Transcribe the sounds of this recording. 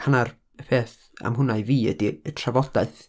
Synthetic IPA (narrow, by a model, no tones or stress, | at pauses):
hanar | əpʰeːθ | a̰mɦʊnaɨviːə̰diətʰravɔd̥aɨθ